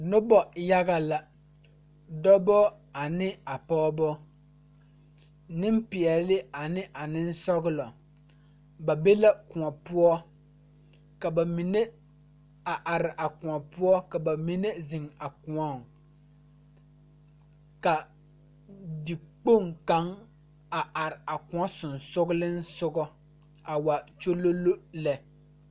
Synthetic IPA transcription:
nʊ˦bɔ˦ja˦ɣa˨la˨ | dɔ˦bɔ˦ | a˨nɪ˦a˨pɔː˦bɔ˦ | nɪ˦m˦pi˨ɛ˨˦lɪ˦a˨nɪ˦ʔa˨nɪ˦n̩˦sɔ˦ɣʊ˦lɔ˨ | ba˨be˦la˦kũ˨a˨pu˦ɔ˦ | ka˨ba˨mi˨ne˦ | a˨ʔa˨ɾɪ˨ʔa˨kʊ̃˨ɔ˨pu˦ɔ˦ka˨ba˨mi˦nɛ˦zɪ˨ŋa˨ku˨a˦˨ŋ | ka˨ | dɪ˨k͡po˦˨ŋka˨˦ŋ | a˨ʔa˨ɾɪ˨a˨kũ˨ɔ˦sʊ˨nsʊ˦ɡʊ˦lɪ˦n̩˦sʊ˦ɡɔ˦ | a˨wa˨t͡ʃo˦lo˦lo˦lɛ˨

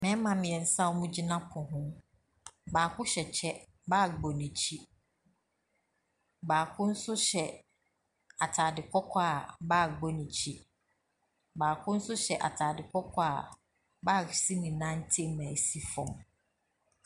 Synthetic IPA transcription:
mɛ̃˦mã˨mɪ̃˨ɛ˨n̩˦sã˦wmũ˦d͡ʑi˦nã˦pʰʊ̃˨ɦʊ̃˦ | baː˨kʰʊ˦ɕɛ˨t͡ɕʰɛ˦ | baː˦˨ɡ͡bɔ˨nĩ˨t͡ɕʰi˦ | baː˨kʰʊ̃˦n̩˦sʊ˦ɕɛ˨ | a˨tʰaː˨dɪ˨kʰɔ˦kʰa˦a˨baː˦˨ɡ͡bɔ˦nĩ˨t͡ɕʰi˦ | baː˨kʰʊ̃˦n̩˦sʊ˦ɕɛ˨ʔa˨tʰaː˨dɪ˨kʰɔ˦kʰɔ˦a˨ | baː˦˨si˦nĩ˨nã˦n̩˦tʰi˦m˨mæ̃˨si˦fɔ̃˨m

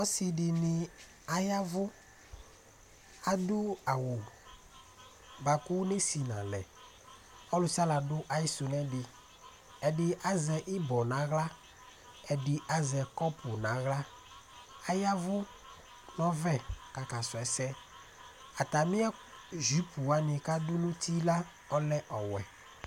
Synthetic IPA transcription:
ɔ˦sɪ˨dɪ˨nɪ˨ | a˨ja˦vʊ˦ | a˨dʊ˦a˨wʊ˨ | ba˨kʊ˦ne˦si˨nã̰˨lɛ˨ | ɔ˦lʊ˨˦sa˦la˨dʊ˦ʔa˦jɪ˦sʊ˨nɛ̃˦dɪ˨ | ɛ˨dɪ˨˦ʔa˦zɛ˨ʔɪ˦bɔ˨nã˨˦ɣla˦ | ɛ˨dɪ˨ʔa˦zɛ˨kɔ˦pʊ˨nã˨˦ɣla˦ | a˦ja˦vʊ˦ | nɔ̃˦vɛ˦ka˨ka˨sʊ˨ɛ˨sɛ˦ | a˨t̪a˨mɪ̃˦ɛ˦ | ʒi˨˦pu˨a˨˦nɪ̃˨ka˦dʊ˦nʊ̃˦t̪i˦la˦ | ɔ˦lɛ˦ʔɔ˨wɛ̰˨

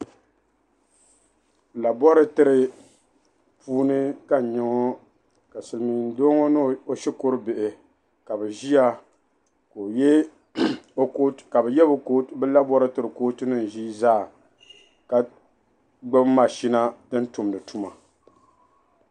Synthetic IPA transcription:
la˨bɔ˦ɾɨ˦tɨ˦ɾɨ˨ | puː˦nɨ˦ka˨ɲɪ˨˦ŋo˦ | ka˨sɨ˨lmi˨n˦do˦ŋo˦n˦o˦ʃɛ˦ko˦ɾɨ˦bɪ˨ʔɪ˨ | ka˨bɛ˨ʒi˦ja˦ | ko˨jɛ˦ | o˦ka˨bɛ˨jɛ˦bbɛ˦la˦bɔ˦ɾɨ˦tɨ˦ɾɨ˨koː˦tɨ˦nɨ˦n˨ʒi˦zaː˦˨ | ka˨ | ɡ͡bɛ˦bma˨ʃi˦na˦dɨ˦n˦tʊ˨m˨dɨ˨tu˦ma˨

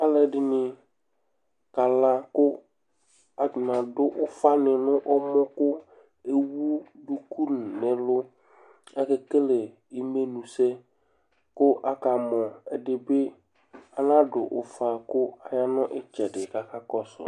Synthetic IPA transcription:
a˦lɛ˨dɪ˨nɪ˨ | ka˨la˦kʊ˦ | a˨nã˨dʊ˦ʔʊ˦fa˦nɪ˨nʊ̃˦ʔɔ˦mɔ˦kʊ˦ | e˦wu˦du˨ku˦n˨nɪ̃˨lʊ˦ | ɛ˦kɛ˨ke˦le˨ | i˦me˦nũ˨sɛ˦ | kʊ˦ʔa˦ka˨mɔ˨ɛ˨dɪ˨bɪ˦ | a˨nã˦dʊ˨ʔʊ˨fa˨kʊ˦a˨ja˦nʊ̃˦ʔɪ˦t͡ʃɛ˨dɪ˨ka˨ka˦kɔ˦sʊ̰˨

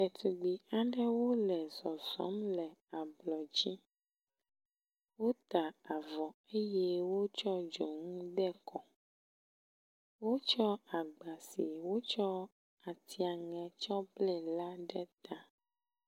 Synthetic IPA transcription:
ɛ˨t̪u˨ɡ͡bi˨a˨ɖɛ˦wo˦lɛ˨zɔ˨zɔ̰˨˦mlɛ˨a˨blɔ˨d͡ʑi˦ | wo˦t̪a˨a˨vɔ˨e˦je˦wo˦t͡ʃɔ˦d͡ʒɔ˨ŋũ˦ɖɛ˦kʰɔ˨ | wo˦t͡ʃɔ˦a˨ɡ͡ba˨si˨wo˦t͡ʃɔ˦ | a˨t̪i˨a˨ŋɛ̃˨t͡ʃɔ˦blɛ˦˨la˦ɖɛ˦t̪a˦

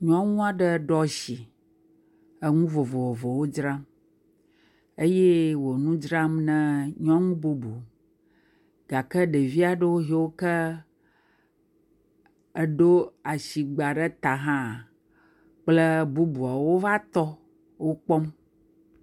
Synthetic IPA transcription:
ɲɔ̃˦ŋũ˦a˨ɖə˦˨ɖɔ˦ʃi˨ | ə˦ŋũ˦vo˨vo˨vo˨vo˨wo˦d͡ʒɾã˦m | e˦je˦wo˨nũ˦d͡ʒɾa˦mnɛ̃˦ɲɔ̃˦ŋũ˦bu˦bu˨ | ɡ̥a˨kə˦ɖe˨vi˦a˨ɖə˦wo˦ɦi˨wo˦kə˦ | ə˦ɖo˦a˨ʃi˨ɡ͡ba˨ɖə˦t̪a˨ɦã˦˨ | k͡plə˦bu˦bu˨a˨wo˦va˦t̪ɔ˦ | wo˦k͡pɔ˦m

